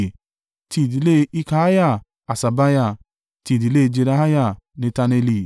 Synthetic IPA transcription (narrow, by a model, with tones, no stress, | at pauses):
ti˧˦˨di˨le˦˧i˧ka˦a˦ja˦˨ | a˨sa˨ba˦ja˦˨ | ti˧˦˨di˨˦le˦˧d͡ʒe˧ɾa˧˦ɦa˦ja˦˨ | nĩ˨˧˦ta˧ne˧li˧˨